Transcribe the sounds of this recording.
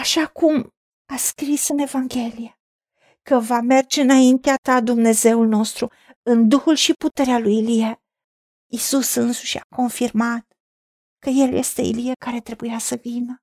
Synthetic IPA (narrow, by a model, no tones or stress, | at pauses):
aʃakum | askɾisɨne̞vaŋɡʲe̞lije | kəvame̞rd͡ʒe̞ɨnaint̪eat̪ad̪umne̞ze̞ulno̞st̪ɾu | ɨnd̪uhulʃiput̪e̞ɾealujilije | isusɨnsuʃa̰ko̞nfirmat̪̚ | kəje̞lje̞̰st̪e̞̰ḭlijekaɾe̞t̪ɾe̞bujasəvinə